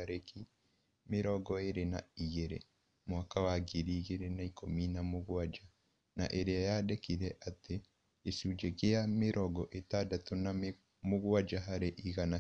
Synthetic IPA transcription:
aɾeki | meɾɔɡɔeɾena̰iɣeɾḛ | mwakawaɡiɾiːɣeɾenaikominamoɣwad͡ʒa | na̰ʔeɾeajadekiɾɛʔate | jesud͡ʒɛkejameɾʔɔɡɔʔetadatona | moɣwad͡ʒaɦaɾeʔiɣana

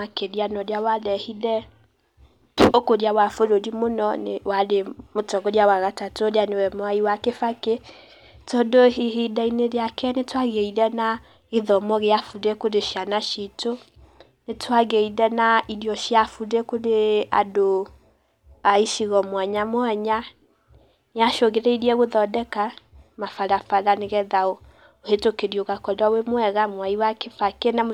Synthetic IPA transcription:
akedianɔdjawadɛhidɛ | okodjawafoɾodimonɔnewademotɔɡodjawaɣatatoodjanewɛmɔaiwakefake | todohiɦidɛinedeakʰɛnetwaɡeidɛna | iðɔmɔɣeafudekodeʃianaʃito | netʰwaɣeiɾɛnaiɾjɔʃjafudekoɾea̰do | aiʃiɣɔmwaɲamwaɲa | neaʃoɣeɾɛiɾiɛɣoðɔdɛkamafaɾafaɾaneɣɛðao | ohetokeɾjoɣakɔdawemwɛɣamwaiwakefakena

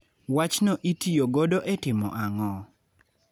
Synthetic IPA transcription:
wat͡ʃnoʔitijoɡodoʔɛtɪmɔ̰ʔaŋɔ

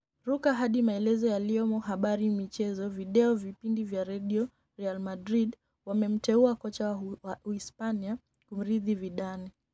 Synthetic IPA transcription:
ɾukaɦaɗimaɛlɛzɔjaliɔmɔɦaɓaɾimit͡ʃɛzɔviɗɛɔvipindivjaɾɛɗiɔ | ɾɛalmadɾiɗ | wamɛm̩tɛuakɔt͡ʃaaispania | kum̩ɾiðiviɗani

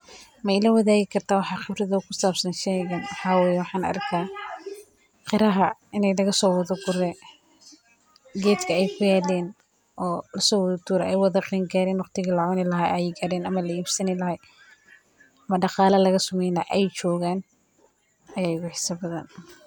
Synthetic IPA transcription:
mɛɪlɐwɐðaːɣɪkʰɐrt̪ʰaːwɑħɑqɪbrɐðɐʊkʰʊsaːbsɐnʃɛɣɐnwħaːwɛjwɑħɑ̃ːnɐ̰rkʰaː | qɪɾɐɦɐɪnɛjlɐɣɐsɔːwɐðɐɡʊɾɛ | ɡɛːd̪kʰɐɛjkʰʊjaːlɛːn | ʔɔːlɐsɔːwɐðɐt̪uːɾɛʔɛjwɑðɐqiːŋɡaːɾɛːnwɑqt̪ʰɪɣɐlɐʕʊnɪlɐɦaʔɛjɛɡɐɾɛːnɐmɐlɐiːbsɐnɪlɐɦa | ɐmɐɖɑqɑːlɐlɐɣɐsʊmɛjnɐʔɛjt͡ʃɔːɣaːn | ɐjaːʊɣʊħɪsɐbɐðɐ̰n

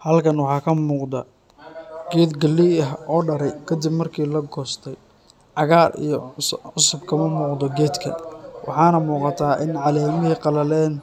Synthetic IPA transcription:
hɐlkʰɐnwɑħɑːkʰɐmuːqd̪ɐ | ɡ̥ɛːd̪ɡɐlːiɐɦɔːɖɐɾɛjkʰɐd̪ɪbmɐrkʰiːlɐɡɔːst̪ʰɛj | ʕɑɣaːrḭjɞʕʊsʊbkʰɐmɐnɔqd̪ɔɡɛːd̪kʰɐ̰wʔɑ̰ħɑːnɐmuːqɑt̪ʰaːʔɪnʕɑlɛːmɪɦiqɑlɐlɛːn

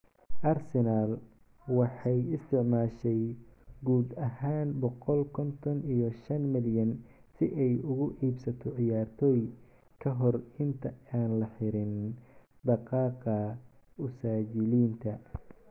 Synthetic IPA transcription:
ʔɐrsɛnal | wɑħɑjɪst̪ʰɪʕmaːʃɛjɡuːd̪ɐɦaːnbɔqɔlkʰɔnt̪ʰɔnijɔʃɐnmɪljɐn | sɪʔɛjʊɣʊʔiːbsɐt̪ʰɔʕɪjaːrt̪ʰɔːj | kʰɐɦɔrɪnt̪ʰɐaːnlɐħɪɾɪn | d̪ɑqɑːqɐʊsaːt͡ʃɪliːnt̪ʰɐ

